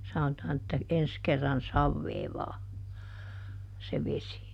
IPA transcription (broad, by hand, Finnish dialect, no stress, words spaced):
sɑnotɑːn etːæ ens kerːɑn sɑʋːeːʋɑː se ʋesi